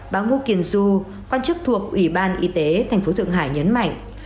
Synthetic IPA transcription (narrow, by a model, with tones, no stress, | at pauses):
ɓaː˨˦wŋu˧ki˧˩ənzu˧ | kwaː˧nt͡ɕɨ˦˥k̚t̪ʰu˨˩ək̚ʔwi˧˩ɓaː˧nʔi˧˦t̪e˨˦t̪ʰa˨˩jŋ̟fo˨˦t̪ʰɨ̰˧˨əŋɦaː˧˩jɲə˨˦nma̰˧˨jŋ̟